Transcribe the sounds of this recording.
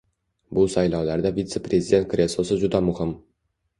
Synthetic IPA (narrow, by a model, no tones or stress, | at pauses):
busɒjlˠɒwlaɾd̪ævʲit̪seprʲezʲɪdʲe̞nt̪krʲesˠosəʒud̪ɑmʊhɪm